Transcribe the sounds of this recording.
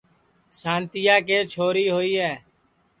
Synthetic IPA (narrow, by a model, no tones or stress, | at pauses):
sãːnt̪ɪjaːkeːt͡ʃʰoːɾiːɦoːiːɦɛː